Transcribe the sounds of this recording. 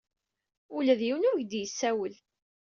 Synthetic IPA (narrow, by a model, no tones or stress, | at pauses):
ulæðjiwnʊɾʝd̪jəsːæwəl